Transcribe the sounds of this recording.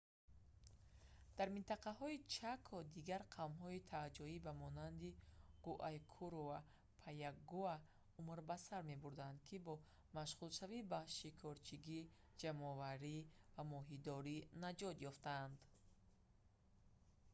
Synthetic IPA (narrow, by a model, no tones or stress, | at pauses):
d̪̥aɾmint̪aqahɔit͡ʃʰakʰɔd̪iɡaɾqʰavmɦɔit̪ʰad͡ʒɔibamɔnand̪iɡ̥uʔajkʰuɾova | pʰajaɡua | umɾbasaɾme̞buɾd̪and̪kʰibɔ | maʃʁulʃavibaʃikʰɔɾt͡ʃʰiɡi | d͡ʒamɔvaɾivamɔɦid̪ɔɾinad͡ʒɔt̪jɔft̪aːnd̪